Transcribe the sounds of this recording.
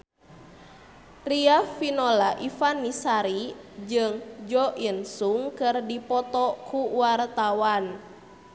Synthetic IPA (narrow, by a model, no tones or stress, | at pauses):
riafinɔlaʔifanːisaɾid͡ʒɨŋd͡ʒɔʔinsuŋkɨrdipɔt̪ɔkuwart̪awan